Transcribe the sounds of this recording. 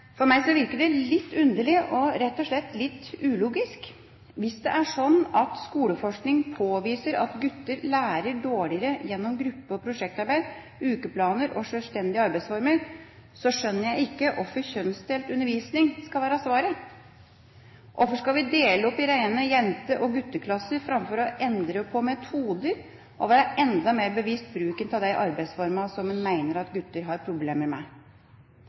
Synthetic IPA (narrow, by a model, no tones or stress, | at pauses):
fɔɾmæɪsɔʋɪɾkəɖɛlɪt̪ːʉnd̪əɭɪʔɔɾɛt̪ːɔʂɭɛt̪ːlɪt̪ːʉːluːɡɪsk | ʋɪsd̪ɛ̰ʔæʂɔnːɑt̪skuːləfɔʂknɪŋpʰoːʋiːsəɾɑ̰t̪ɡʉt̪ːəɾlæːɾəɖoːɭɪəɾəjɛnːɔmɡɾʉpːəɔpʰɾʊʂɛk̚t̪ɑɾbæɪd̪ | ʉːkəpʰlɑːnəɾɔʂœlst̪ɛnd̪ɪəɑɾbæɪsfɔɾməɾ | sɔʂœnːəɾjæɪɪkːəʔɔfəçœnst̪eːlt̪ʉnːəɾʋiːsnɪŋskɑlʋæːɾɑsʋɑːɾə | ʔɔfəʂkɑlʋɪd̪eːləɔpːɪɾæɪnəjɛnt̪əʔɔɡʉt̪ːəkʰlɑsəɾfɾɑmfɔɾɔʔɛnd̪ɾəpʰɔmɛt̪ʰuːd̪əɾ | ʔɔʋæːɾəʔɛnd̪ɑmeːɾbəʋiːst̪̚bɾʉːkənt̪ʰɑd̪æɪʔɑɾbæɪsfɔɾmɑsɔmːɛnmæɪnəɾɑt̪ɡʉt̪ːəɾɦɑɾpʰɾʊbleːməɾmæ